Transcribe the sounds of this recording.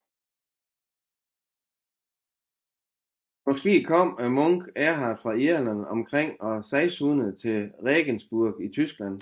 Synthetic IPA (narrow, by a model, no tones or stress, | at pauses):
mɒ̽sɡ̥e̝̰ːkʰɒ̽m̰æmɔŋɡ̥æɐɦɑ̈d̥fʁɑ̈eɐlænɒ̽mkʰʁeŋ̰ɒsæɪshuːnəð̩ˠt͡sʰe̝lʁɛːɡ̥ənsb̥uɐɡ̥it͡sʰysɡ̥læn̰